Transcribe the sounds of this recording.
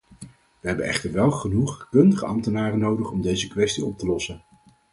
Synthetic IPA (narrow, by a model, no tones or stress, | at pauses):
ʋəɦɛbənɛ̰χtəɹʋɛlˠχənuχkɵndəχəɑmtənaːrənowdəχɔmdejzəkʋɛstiɔp̚təlɔsən